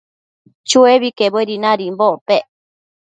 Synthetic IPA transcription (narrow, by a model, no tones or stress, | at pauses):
t͡ʃueβikebeɾinãɾimboʔpeʔ